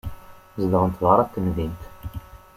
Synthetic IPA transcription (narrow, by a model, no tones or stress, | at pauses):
zd̪ɑnt̪vɑɾˤɑt̪ːənvint̪